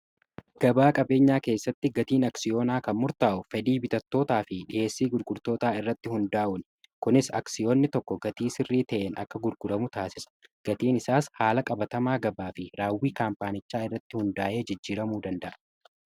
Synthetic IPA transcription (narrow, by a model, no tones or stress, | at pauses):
ɡ̥ɐbaːkʼɐbe̞ːɲːaːke̞ːsːɐt̪ːɪɡɐt̪iːnɐksɪjo̞ːnaːkɐnmʊɾt̪aːʔʊfɛd̪iːbɪt̪ɐt̪ːo̞ːt̪aːfɪᶑɪʔe̞ːsːiːɡʊɾɡʊɾt̪o̞ːt̪aːɪrːɐt̪ːɪhʊnd̪aːʔʊn | kʊnɪsɐ̰ksɪjoːnːɪt̪ɔkːɔɡɐt̪iːsɪrːiːt̪ɐʔeːnɐ̰kːɐɡʊɾɡʊdɐmʊt̪aːsɪsɐ̥ɡ̥ɐt̪iːnɪsaːshaːlɐkʼɐbɐt̪ɐmaːɡɐbaːfɪɾaːwːiːkaːmpaːnɪt͡ʃːaːɪrːɐt̪ːɪhʊnd̪aːʔe̞ːd͡ʒɪd͡ʒːiːɾɐmuːd̪ɐnd̪ɐʔɐ